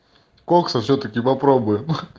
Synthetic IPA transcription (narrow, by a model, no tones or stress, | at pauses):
koksɐfsʲɵt̪əkʲɪpɐpɾobʊjɪm